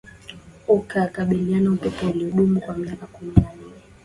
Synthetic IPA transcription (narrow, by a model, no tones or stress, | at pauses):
ukakaɓilianaupɛpɔiliuɗumukwamiakakuminani